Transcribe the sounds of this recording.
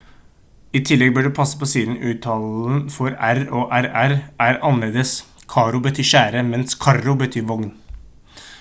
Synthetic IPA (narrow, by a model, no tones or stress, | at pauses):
ɪt̪ʰɪlːɛɡ̚bøːɖɛpʰɑsːə̥pɔsiːd̪n̩ʉːt̪ʰɑln̩fɔɾæɾɔʔæɾæɾʔæɾɑnəleːd̪əs | kʰɑɾʊbət̪ʰyːʂæːɾəmɛnskʰɑɾʊbət̪ʰyːɾʋɔŋn